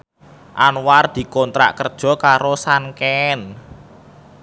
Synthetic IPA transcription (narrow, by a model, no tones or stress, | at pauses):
ʔanward̪̥i̤kɔnt̪ɾa̰ʔkərd̥ʒ̥ɔ̤kaɾosankɛn